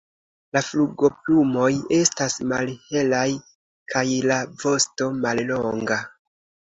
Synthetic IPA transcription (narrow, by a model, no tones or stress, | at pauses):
lafluɡo̞plumo̞je̞stasmalhe̞laj | kʰajlavo̞sto̞mallo̞ŋɡa